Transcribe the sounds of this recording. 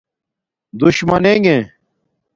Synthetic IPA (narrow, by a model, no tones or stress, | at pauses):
d̪uɕmɐneŋɡẽ